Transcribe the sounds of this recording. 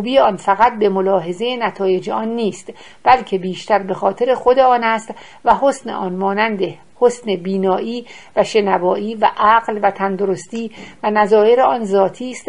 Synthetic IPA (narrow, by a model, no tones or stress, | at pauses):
ubiːeɒːnfæɣæt̪̚be̞mo̞lɒːɦe̞zejenæt̪ʰɒːje̞d͡ʒeʔɒːnːiːst̪ | b̥ælcʰe̞biːʃt̪æɾbe̞xɒːt̪ʰe̞ɾe̞xo̞d̪eɒːnæst̪ | væɦosnḛʔɒnmɒːnænd̪e | hosnebiːnɒːʔiːvæʃe̞nævɒːʔiːvæʔæɣlvæt̪ʰænd̪oɾost̪iːvænæzɒːje̞ɾeɒːnzɒːt̪ʰiːst̪